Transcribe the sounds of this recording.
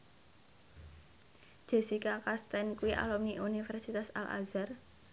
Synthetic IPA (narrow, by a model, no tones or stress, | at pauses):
ʒ̥ɛ̤sikakast̪ɛnkuiʔa̰lɔmniʔunifɛrsit̪asa̰la̰zar